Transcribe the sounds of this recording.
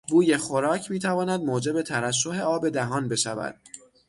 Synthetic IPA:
buːje̞xoɾɒːcʰmiːt̪ʰævɒːnæd̪̚moːd͡ʒe̞be̞t̪ʰæɾæs̬ːoɦe̞ɒːbe̞d̪æɦɒːnbe̞ʃævæ̰d̪̥

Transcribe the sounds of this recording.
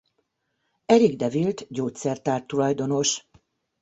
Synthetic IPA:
ɛɾiɡd̪ɛvilt̪ɟoːt̪sɛrt̪aːrt̪ːulɒjd̪o̞no̞ʃ

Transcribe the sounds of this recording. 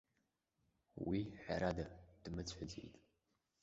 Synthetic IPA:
wiħa̰ɾadad̥ɨmɨt͡sʷʰʼħəd͡zḛjtʼ

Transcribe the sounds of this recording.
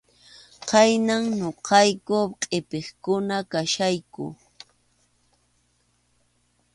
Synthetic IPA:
qɑjnaŋɲoqʰɑjkʊqʼepeχkʊnakaʃajkʊ̰

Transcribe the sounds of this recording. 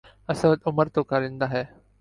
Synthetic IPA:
əsəd̪ʊməɾt̪okaɾɪ̃nd̪aɦɛː

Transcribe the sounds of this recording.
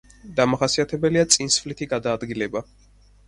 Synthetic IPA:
d̪amaχasiat̪ʰɛbɛliat̪sʼinsflit̪ʰiɡad̪aːd̪ɡilɛba

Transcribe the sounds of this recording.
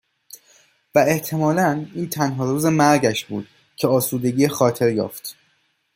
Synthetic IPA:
væe̞ht̪ʰe̞mɒːlæniːnt̪ʰænɦɒːɾuːzemæɾɟæʃbṵːd̪̥ | cʰeɒːsuːd̪e̞ɡiːexɒːt̪ʰe̞ɾjɒ̰ːft̪

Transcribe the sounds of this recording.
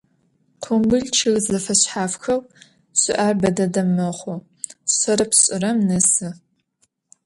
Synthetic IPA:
qʷʰʊmbɨɮt͡ʃʰɨɣzɐfɐɕħaːfxɐw | ɕɪ̰ʔaːrbɐdɐdɐmːɨχʷʊ | ɕɐɾɐpʰɕʼɪrɐmnɨsɨ

